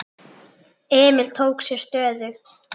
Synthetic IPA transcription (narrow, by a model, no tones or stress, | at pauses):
ɛːmɪlt̪ʰoːwksjɛɾ̥st̪œːðʏ